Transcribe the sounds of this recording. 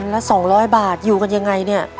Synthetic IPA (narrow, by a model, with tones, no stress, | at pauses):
nlɛ˦˥sɔː˩˦ŋɾɔː˦˥jbaː˨˩t̪̚juː˨˩ka˧nja˧ŋːa˧jni˥˩ɐ